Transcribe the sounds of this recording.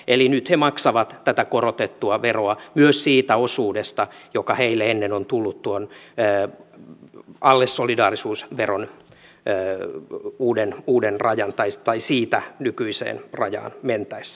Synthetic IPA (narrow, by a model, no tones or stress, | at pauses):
elinyt̪hemɑksɑʋɑt̪t̪æt̪ækorot̪et̪ːuɑʋeroɑmyøssiːt̪æosuːdest̪ɑjokɑheilːeenːenont̪ulːut̪t̪uonː | ɑlːesːolidɑːrisuːsʋeronː | uːdenuːdenrɑjɑnt̪ɑit̪ɑisiːt̪ænykyisḛːnrɑ̰jɑ̰ːnment̪æis